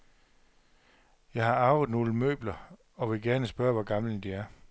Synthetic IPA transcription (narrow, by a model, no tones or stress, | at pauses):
jɑ̈ɪhɑ̈ɑ̈ʊð̩ˠno̝ːləmø̰ːb̥lɐ | ɒ̽ʋe̝ɡ̥æɐnəsb̥ɶɐʋɒɡ̥ɑ̈mlənd̥iæɐ